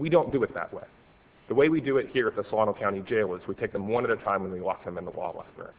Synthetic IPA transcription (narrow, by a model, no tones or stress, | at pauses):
widõʊ̃nd̥ɨɨt̪̚ðə̰ʔ̚wḛɪ | ðəweɪwidɨɪt̚hiɹɨt̪̚ðəslɔɾ̃nl̩ˠkʰãʊ̃id͡ʒeɪlˠɪzwitʰeɪk̚ðəmɔ̃ñɨɾɨtʰãɪ̃mwə̃nwiwɑ̰k̚ɨ̃mɨ̃nðə̰wɔ̰lˠlɛ̰stə̰˞